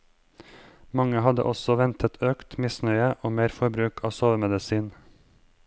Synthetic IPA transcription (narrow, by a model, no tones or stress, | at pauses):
mɑŋəhɑd̪ə̰ʔɔsɔʋɛnt̪ʰət̪ʰøːkt̪mɪsnœʏəʔoːmeːɾfɔɾbɾʉːkʰɑ̰ːsoːʋəmɛd̪əsiːn